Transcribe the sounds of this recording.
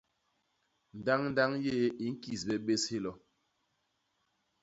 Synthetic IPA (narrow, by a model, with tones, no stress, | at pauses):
n̩˨da˦ŋn̩˦da˦ŋje˦i˨˦ŋ̩˦ki˨sbɛ˦ɓe˦she˦lɔ˨